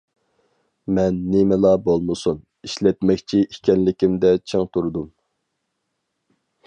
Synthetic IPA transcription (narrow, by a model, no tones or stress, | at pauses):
mɛnːemɪlˠɑbolˠmɨsun | iʃlɛt̪mɛkʲt͡ʃʰiʔikʲʰɛnlɪkʲimd̪ɛt͡ʃʰeŋt̪ʰuɾd̪um